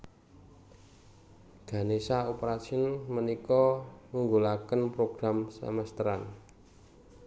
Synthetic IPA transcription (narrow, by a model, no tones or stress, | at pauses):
ɡ̥a̤nesaopəɾasiɔnmənikɔmuŋɡulakənpɾoɡ̥ɾamsə̰məst̪əɾan